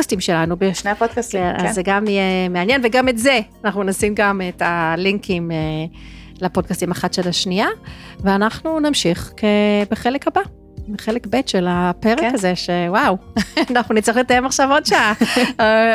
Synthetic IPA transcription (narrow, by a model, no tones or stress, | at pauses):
astimʃe̞lanubeʃneapod̪kastkenazzeɡamijemeanjenveɡametze̞anaχnunasimɡametaliŋkʰime | lapod̚kastimaχatʃelaʃniaveanaχnunamʃiχkebeχelekaba | beχelekbe̞tʃelapeʁekkaze̞ʃewawnaχnunitt͡sʁiχletajemaχʃavo̞tʃaa